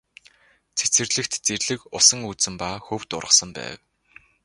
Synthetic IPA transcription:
t͡sʰe̥t͡sɘ̆rɮɘ̆kt̪t͡serɮɘ̆kʊsə̆ŋut͡sɘ̆mpaːxɵwt̪ʊ̰rʁə̆sə̆mpæ̰ːw

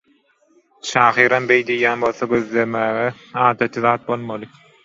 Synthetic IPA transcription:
ʃʰɑːχiːɾɑmbejd̪ejjæːnbo̞lθoɡø̞ðlemæːɣe | ɑːd̪ɑt̪ʰɯðɑːt̪̚bo̞lˠmolˠɯ

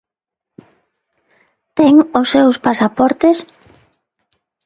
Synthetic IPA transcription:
t̪ɛŋʊsːewspasapɔɾt̪es

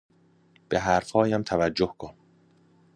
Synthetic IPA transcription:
b̥eɦæɾfhɒːjæmt̪ʰævæd͡ʒːohkʰon

